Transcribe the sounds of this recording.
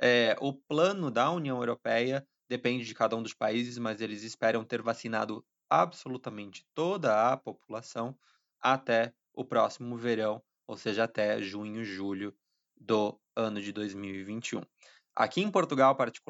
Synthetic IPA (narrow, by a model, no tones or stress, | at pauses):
ɛʔʊplɐ̃nʊd̪ɐuniɐ̃w̃ewɾopɛjɐ | d̪̥epẽnd͡ʒɪd͡ʒɪkad̪ɐũd̪ʊspaizɪzmɐzelɪzɪspɛɾɐ̃w̃t̪eɾvasina̰d̪ʊ | absolut̪ɐmẽnt͡ʃɪ̥t̪od̪ɐːpopulasɐ̃w̃ | at̪ɛ | ʊpɾɔsimʊveɾɐ̃w̃ | o̰wseʒɐat̪ɛʒũɲʊʒuʎʊ | d̪ʊ | ɐ̃nʊd͡ʒɪd̪ojzmiwivĩnt͡ʃiũ | a̰kiẽpoɾt̪uɡawpaɾt͡ʃi̥ku